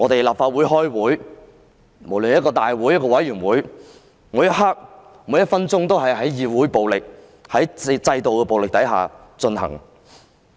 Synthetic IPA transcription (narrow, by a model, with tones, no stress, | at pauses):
ŋɔː˨˧t̪e˨jlaː˨p̚faː˧t̚wuː˨˥jɦɔː˥jwuː˨˥j | mo˨˩wlɵ˨njɐ˥tkɔː˧t̪aː˨jwuː˨˥jɐ˥t̚kɔ˧wɐ˨˥jyː˨˩nwuː˨˥j | muː˨˥jɐ˥t̚ɦaː˥k̚ | m˨˧˥jɐ˥t̚fɐ˥nt͡sʊ˥ŋt̪o˥wɦɐ˨jɦɐ˨˥jjiː˨˧wuː˨˥jpo˨wlɪ˨k̚ | hɐ˨˥jt͡sɐ˧jt̪o˨wkɛ˧po˨wlɪ˨k̚t̪ɐ˨˥jɦa̰ː˨ | t͡sɵ˧nhɐ̰˨˩ŋ